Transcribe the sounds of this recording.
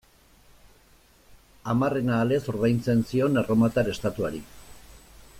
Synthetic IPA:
amare̞naːle̞so̞ɾβajnt͡se̞nsio̞naro̞mat̪aɾe̞st̪at̪uaɾi

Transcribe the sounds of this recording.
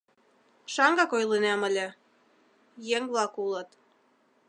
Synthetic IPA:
ʃɑŋɡɑkojlˠinæmə̆lʲĕ | jeŋβlˠɑkulˠɤ̆t̪

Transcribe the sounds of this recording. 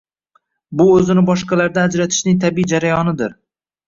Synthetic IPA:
bʊɵzɪnɪbɒʃqɑlaɾd̪anad͡ʒɾat̪ʰɪ̥ʃnɪŋt̪ʰabid͡ʒaɾajɒnɪd̪ɪɾ

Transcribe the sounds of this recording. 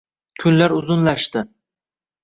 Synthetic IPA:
kʲʰʊnlaɾʊzʊnlaʃt̪ɪ

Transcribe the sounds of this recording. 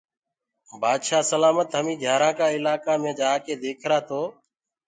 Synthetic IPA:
bʱaːd̪ʃaːsəlaːmət̪ɦəmĩːɡʱjaːɾãːkaːɪlaːkãːmẽːd͡ʒaːkeːd̪eːkʰɾaːt̪ʰoː

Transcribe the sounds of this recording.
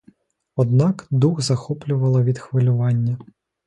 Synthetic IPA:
ɔd̪nɑkd̪uɣzɐxɔplʲʊʋɐlˠɐʋʲid̪xʋɪlʲʊʋɑnʲːɐ

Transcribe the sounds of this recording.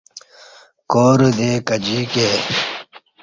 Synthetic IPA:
koːɾd̪eːkɐd͡ʑikeː

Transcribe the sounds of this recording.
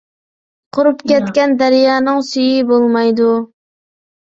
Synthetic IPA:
qʰʊɾupkʲɛt̪kʲɛnd̪æɾjɑːnɨŋsyjibolˠmɑjd̪u

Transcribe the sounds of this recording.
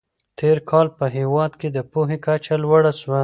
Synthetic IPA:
t̪ʰeɾkʰɑlpəɦewɑd̪ked̪əpuɦekat͡ʃalwaɽaʃwa

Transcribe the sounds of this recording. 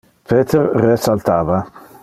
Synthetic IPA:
pʰeːt̪ʰeɾresalt̪ʰaːva

